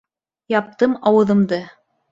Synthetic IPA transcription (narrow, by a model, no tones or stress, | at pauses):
jɑp̚t̪ɤmɑwɤ̆ðɤ̆md̪ɤ